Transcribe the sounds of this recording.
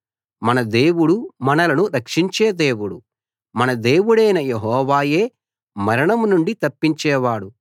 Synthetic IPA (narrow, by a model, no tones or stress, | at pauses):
mɐnɐd̪eːwuɽumɐnɐlɐnuɾɐkʂiɲt͡ʃeːd̪e̞ːwuɽu | mɐnɐd̪eːwuɽɐjnɐjeɦɔːʋaːjeː | mɐɾɐɳɐmnuɳɖit̪ɐpːiɲt͡ʃɛːʋaːɽu